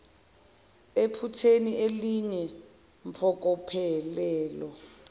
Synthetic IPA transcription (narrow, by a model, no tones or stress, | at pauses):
epʰutʰenieliɲɛ | mpʰɔk̬ʼɔpʰɛlɛːlɔ